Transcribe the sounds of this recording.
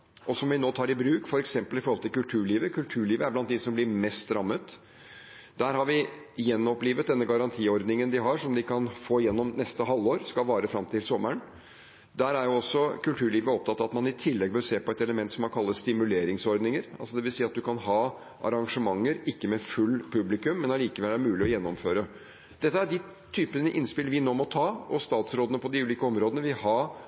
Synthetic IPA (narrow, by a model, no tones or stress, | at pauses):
ʔɔsɔmʋɪnoːt̪ʰɑːɾɪbɾʉːkfɔɾɛksɛmpəlɪfɔɾhɔlt̪ʰɪlkʉlt̪ʰʉːɭiːʋəkʰʉlt̪ʰʉːɭiːʋəæɾblɑnt̪̚d̪ɪsɔmblɪɾmɛst̪ɾɑmːət̪ | d̪æːɾhɑɾʋɪ | jɛnːɔpliːʋət̪̚d̪ɛnːəɡɑɾɑnt̪ʰiːɔɾd̪nɪŋənd̪ɪɦɑʂɔmd̪ɪkʰɑnfoːjɛnːɔmnɛst̪əɦɑlːoːɾskɑʋɑːɾəfɾɑmt̪ʰɪlsɔmːəɳ | d̪æːɾæɾjʊɔsːɔkʉlt̪ʰʉːɭiːʋəɔp̚t̪ʰɑt̪ːɑʋɑt̪mɑnɪt̪ʰɪlːɛɡbœɾseːpɔɛt̪ɛləmɛnt̪sɔmɑnkʰɑlːəsst̪ɪmʉleːɾɪŋsɔɾd̪nɪŋəɾɑ̰lsɔd̪ɛʋɪlsiːɑt̪̚d̪ʉkʰɑnɦɑː | ʔɑ̰ɾɑŋʂəmɑŋːəɾɪkːəmɛfʉlːpʰʉblɪkʉmːɛnɑliːkəʋɛlːæɾmʉːlɪɔjɛnːɔmføːɾə | d̪̥ɛt̪ːəæɖɪ | t̪ʰyːpənəʔɪnspɪlʋɪnoːmɔt̪ʰɑːɔst̪ɑːt̪sɾoːd̪ənəpʰɔd̪ɪʉːliːkəɔmɾoːd̪ənəʋɪhɑː